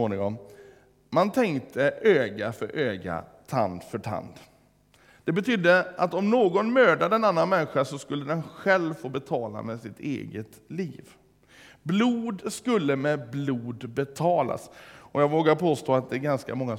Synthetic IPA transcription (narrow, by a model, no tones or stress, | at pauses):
oːnɪŋɔm | mant̪ʰɛŋkt̪ʰəʔøːɡafœɾʔøːɡa̰t̪ʰa̰nd̪fœʈʰa̰nd̪ | d̪̥ɛbɛt̪ʰʏd̪ːəat̪ɔmnoːɡɔnmøːɖad̪əɛnanːanmɛnːɧasɔskɵlːəd̪ɛnɧɛlvfoːbɛt̪ʰɑːla̰mɛsɪt̪ʰḛːɡət̪liːv | bluːd̪skɵlːəmɛbluːd̪bɛt̪ʰɑːla̰sɔjɑːɡvoːɡaɾpʰoːst̪oːat̪̚d̪ɛɡanskamɔŋːa